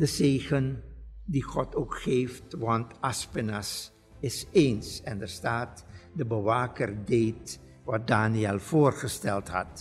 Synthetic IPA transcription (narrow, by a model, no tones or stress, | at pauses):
dəzeːχəndiχɔtowkχeːftʋɑntɑspənas | ɪseːnsɛndərstaːtdəbəʋaːkərdejt | ʋɑt̚daːniɛlˠv̥oːrχəstɛlˠtɦɑ̰t